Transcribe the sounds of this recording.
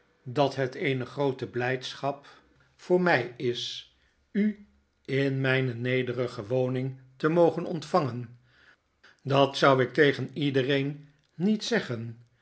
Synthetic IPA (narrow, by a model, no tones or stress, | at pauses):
dɑtɦətejnəχrowtəblɛjtsχɑp | fʊːɹmɛjɪs | y | ɪnmɛjnənejdərəχəʋownɪŋtəmowχənɔ̰ntfɑŋən | dɑtsʌwɪk̚tejχənidərejnː | itsɛχən